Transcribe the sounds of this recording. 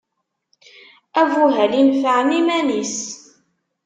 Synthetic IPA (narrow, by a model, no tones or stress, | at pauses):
ævuɦælinfəʕmimænis